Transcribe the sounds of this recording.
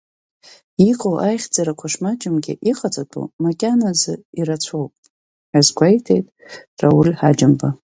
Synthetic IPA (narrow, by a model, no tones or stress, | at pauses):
iqʼowʔajχʲd͡zaɾakʷʰaʂmad͡ʒɪmɡʲɪ̰ʔiqʼat͡sʼatʼṵmakʲʼanazɨirat͡sʷʰowpʼ | azɡʷajtʰejtʼ | rawʊlʲħad͡ʒɨmba